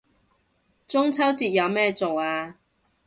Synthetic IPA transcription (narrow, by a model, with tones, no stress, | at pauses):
t͡sʊ˥ŋt͡sʰɐ˥wt͡siː˨t̚jɐ˨˧wmɛː˥t͡so˨waː˧